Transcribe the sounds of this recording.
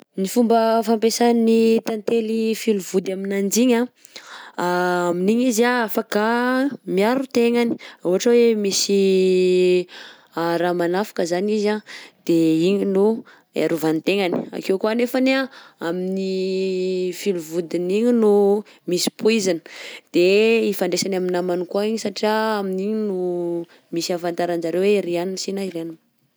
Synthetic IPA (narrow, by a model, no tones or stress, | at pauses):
nifumbəfampesaninit̪ant̪elifiluvud̪aminand͡ʒiɲa | aaminiɲizaafakamiaɾut̪eŋani̥uɦaʈ͡ʂawemisi | aɾamanafḁkəzanizad̪̥eiɲinu | ḛɾuvanit̪eŋani̥a̰kewkuanefaneaamini | filuvud̪iniɲinu | misi̥puizanə̥d̪̥eifaɳɖ͡ʐesanaminamanikuaiɲisaʈ͡ʂiaaminiɲinu | misiafant̪aɾand͡ʒaɾeweɾianinsinaiɾanin